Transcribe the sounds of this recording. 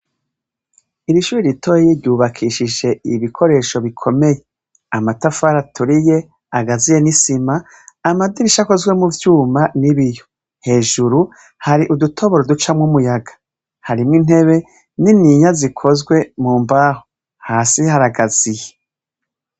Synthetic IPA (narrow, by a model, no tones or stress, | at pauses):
iɾiʃuːɾiɾitʰo̞ːjiɾjuβakʰiːʃiʒe̞iβikʰo̞ɾe̞ːʃo̞βikʰo̞me̞je̞ | amatafaɾatʰuɾije̞ | aɡazije̞nisimaː | madiɾiʃako̞zɡwe̞muvjuːmaniβijo | he̞ːʒuɾu | haɾiʔudutʰo̞βo̞ɾodut͡ʃamŋumujaɡḁ | haɾimŋin̥e̞βe̞ | niniɲazikʰo̞zɡwe̞muːmbaːho | haːsihaɾaɡaz̥ije